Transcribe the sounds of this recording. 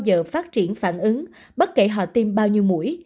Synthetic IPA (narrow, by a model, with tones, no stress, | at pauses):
wzəː˨˩faː˦˥t̚t͡ɕi˧˩ənfaː˧˩nʔɨ˨˦ŋ | ɓə˦˥t̚ke˧˩ɦɔ̰˧˨t̪i˧mɓaː˧wɲi˧əwmṵ˧˩əj